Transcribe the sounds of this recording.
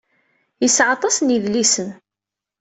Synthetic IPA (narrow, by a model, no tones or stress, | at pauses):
jəsːʕɑt̪ˤɑsniðlisən